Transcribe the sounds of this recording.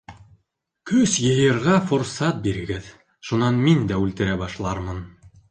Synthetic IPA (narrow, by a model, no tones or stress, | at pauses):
kɵsjɤ̆jɤ̆ɾʁɑfŏɾsɑt̪̚biɾɘ̆ɡɘð | ʃunɑnmind̪æʉlt̪ɘ̆ɾæbɑʃlˠɑɾmɤn